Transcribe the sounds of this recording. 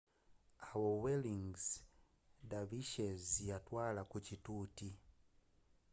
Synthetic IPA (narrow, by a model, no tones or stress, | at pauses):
awoweliŋz | daviʃezijatwalakucituːti